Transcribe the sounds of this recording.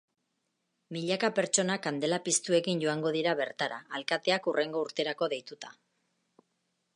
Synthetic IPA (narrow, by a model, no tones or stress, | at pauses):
miʎakape̞ɾt͡ʃo̞nakand̪e̞lapist̪ue̞kinɟo̞aŋɡo̞ð̞iɾaβe̞ɾt̪aɾaːlkat̪e̞akurʔe̞ŋɡo̞uɾt̪e̞ɾako̞ðejt̪ut̪ḁ